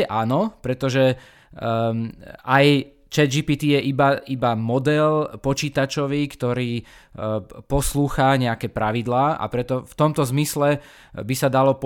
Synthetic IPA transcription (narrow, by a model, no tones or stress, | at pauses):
ɛʔanɔpɾɛt̪ɔʒɛ | aj | t͡ʃɛd͡ʒipiːt̪iːjɛʔibaibamɔd̪ɛlpɔt͡ʃiːt̪at͡ʃɔʋiːkt̪ɔɾiː | pɔsluːxaɲɛakɛpɾaʋid̪laːa̰pɾɛt̪ɔft̪ɔmt̪ɔzmislɛ | bisad̪alɔp